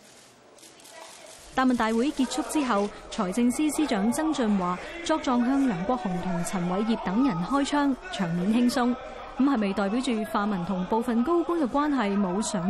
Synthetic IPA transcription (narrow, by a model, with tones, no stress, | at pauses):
t̪aː˨mɐ˨˩nt̪aː˨jwu˨˥jkiː˧t̚t͡sʰʊ˥k̚t͡siː˥ɦɐ˨wt͡ʃʰɔː˨˩jt͡sɪ˧ŋsiː˥siː˥t͡ʃœː˨˥ŋt͡sɐ˥ŋt͡sɵ˧nwaː˨t͡ʃɔː˥k̚t͡sɔː˧ŋɦœː˥ŋlœː˨˩ŋkʷɔː˧˥k̚hʊ˨˩ŋt̪ʰʊ˨˩ŋt͡sʰɐ˨˩nwɐ˨˧jːiː˨p̚t̪ɐ˨˥ŋjɐ˨˩nhɔː˥jt͡ʃʰœː˥ŋt͡ʃʰœː˨˩ŋmiː˨˥nɦɪ˥ŋsʊ˥ŋ̩˨˥ | hɐ˨jme˨jt̪ɔː˨jp̬i˨˥wt͡ʃyː˨faː˨˧mɐ˨˩nt̪ʰʊ˨˩ŋpo˨˧wfɐ˨nko˥wkʊ˥ŋkɛː˧kʷaː˥nɦɐ˨jmo˨˧wsœː˨˥ŋ